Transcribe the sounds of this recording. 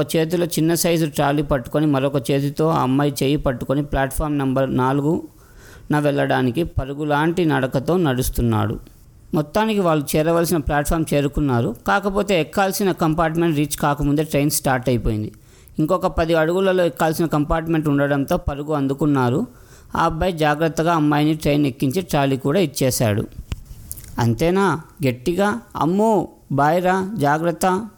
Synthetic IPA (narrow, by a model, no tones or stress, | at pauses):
ɐt͡ʃe̞ːt̪̬uloːt͡ʃinːɐsɐjzuʈɾaːlipɐʈːu̥ko̞nimɐɾɔkɐt͡ʃe̞ːt̪̬ut̪o̞ːɐ̰mːɐjt͡ʃeːjipɐʈːukoniplaːʈpʰaːɾmnɐmbɐɾnaːluɡu | nɐʋɛɭːɐɽaːnikipɐɾuɡulaːɳʈinɐɽɐkɐt̪o̞ːnɐɽust̪unːa̰ːɽṵ | mɔt̪ːaːnikiʋaːɭːut͡ʃɛːɾɐʋaːlsinɐplaːʈpʰaːɾmt͡ʃe̞ːɾukunːaːɾukaːkɐpo̞ːt̪e̞ːɛkːaːlsinɐkɐmpaːɾʈmeɳʈɾiːt͡ʃkaːkɐmund̪e̞ːʈɾejnsʈaːɾʈɐjipoːjind̪i | iŋkɔkɐpɐd̪iɐɽuɡulɐlo̞ːɛkːaːlsinɐkɐmpaːɾʈme̞ɳʈuɳɖɐɽɐnt̪o̞ːpɐɾuɡuɐnd̪ukunːaːɾu | aːbːɐjd͡ʒaːɡɾɐt̪ːɐɡaːɐmːaːjɐniʈɾejnekːiɲt͡ʃiːʈɾaːlikuːɽaːit͡ʃːɛːʃa̰ːɽṵ | ɐnt̪ɛːnaːɡe̞ʈːiɡaːɐ̰mːuː | baːjɾad͡ʒaːɡɾɐt̪ːɐ